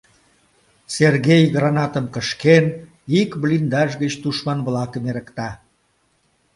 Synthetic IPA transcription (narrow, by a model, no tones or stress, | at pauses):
serɣejɣrɑnɑt̪əmkəʃken | ikβlind̪ɑʃ̬ɣət͡ɕt̪uʃmɑnβlɑkəmeɾə̆kt̪ɑ